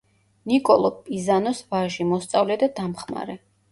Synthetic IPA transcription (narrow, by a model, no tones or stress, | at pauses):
nikʼɔlˠɔpʼizanɔsvaʒimɔst̪sʼavlɛd̪ad̪amχma̰ɾɛ